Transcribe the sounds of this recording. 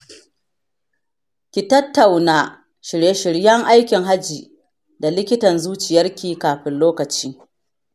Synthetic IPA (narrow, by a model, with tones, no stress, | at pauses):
kʲi˨tɐ˦tːa˨wnaː˦ | ʃɪ˨ɾje˦ʃɪ˨ɽjɐ˦ŋʔa˦jkʲɪ˨ŋɦa˦d͡ʒiː˨ | da˨lɪ˦kʲɪ˦tɐ˨nzuː˦t͡ʃɪ˨jɐ˦rkʲiː˦kaː˨ɸɪ˦nloː˦kɐ˨t͡ʃiː˦